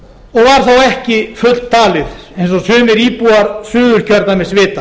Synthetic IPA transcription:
ɔɣvaɾ̥θawɛhcɪfʏt̪l̥t̪t̪ʰːaːlɪðejnsɔsʏːmɪɾiːpuːaɾsʏːðʏɾ̥cʰœɾt̪namɛðsvɪːt̪a

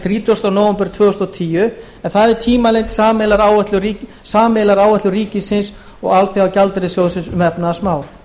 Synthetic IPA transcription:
θɾiːt̪ɔst̪anɔːwvʏmpʏɾ̥t̪ʰvœːʏst̪ɔt̪ʰiːjʏ | ɛnθaðɛɾ̥t̪ʰiːmalejnt̪saːmɛlaɾaːwvɛt̪lʏi | saːmelaɾaːwvɛht̪lʏɾiːcɪsɪns | ɔ̰ɣalθejawcalt̪ɾɪsjɔwðʏsɪnsmɛpnaːsmaːwɾ̥

